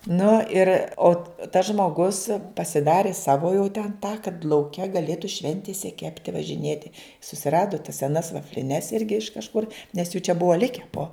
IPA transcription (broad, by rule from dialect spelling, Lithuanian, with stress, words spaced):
ˈnʊ ɪr oː tɐs ʒmoːˈɡʊs pɐsʲɪˈdɑːrʲɪ ˈsɑːʋoː jɛʊ tʲɛn tɑː kɐt lˠɐʊˈkʲɛ ɡɐˈlʲeːtʊ ˈʃʲʋʲɛnʲtʲɪsʲɛ ˈkʲæːpʲtʲɪ ʋɐʒʲɪˈnʲeːtʲɪ sʊsʲɪˈrɑːdʊ tɐs sʲɛˈnɐs ʋɐfʲlʲɪˈnʲɛs ˈɪrʲɡʲɪ ɪʃ kɐʃˈkʊr nʲɛs juː t͡ʃʲɛ ˈbʊʋɐ ˈlʲɪkʲɛ poː